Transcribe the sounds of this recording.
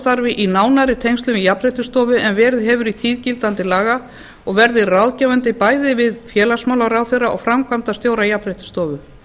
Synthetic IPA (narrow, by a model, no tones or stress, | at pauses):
t̪aɾvɪʔinaːwnaɾɪt̪ʰejnst̪ʏmijapɾɛht̪ʏst̪ɔːvʏʔɛnvɛːɾðɪɦɛvʏɾit̪ʰiːðcɪlt̪ant̪ɪlaːɣa | ɔɣvɛɾðɪrawðcɛːvant̪ɪpaːjðɪvɪðfjɛːlasmawlaɾawθejɾːaʔɔ̰ɣfɾamkʰvamt̪ast̪joːwɾajapɾɛjht̪ʏ̥st̪ɔːvʏ